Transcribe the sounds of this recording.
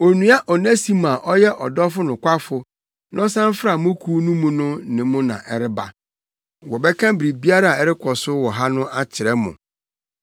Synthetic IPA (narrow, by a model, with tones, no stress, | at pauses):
o˨nũ˨a˦ʔɔ˨nã˦si˦mã˨ʔɔ˦jɛ˦ʔɔ˨dɔ˦fʊ˦nʊ̃˨kʷa˦fʊ˨ | nʔɔ̃˦sã˦m˦fɾa˨mʊ̃˦kʰu˦nũ˦mũ˦nʊ̃˦nɪ̃˨mʊ̃˦nã̰˨ʔɛ˦ɾɪ˦ba̰˨ | wɔ˨bɛ˦kʰã˦bi˨ɾi˨bi˦a˦ɾa˦a˨ɛ˦ɾɪ˦kʰɔ˨sʊ˦wɔ˨ɦa˦nʊ̃˦ʔa˦t͡ɕʰɪ˨ɾɛ˦mʊ̰̃˨